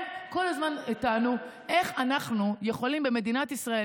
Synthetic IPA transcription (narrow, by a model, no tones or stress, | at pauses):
ko̞lazmanitanu | e̞χanaχnuje̞χo̞limbeme̞dinatisʁae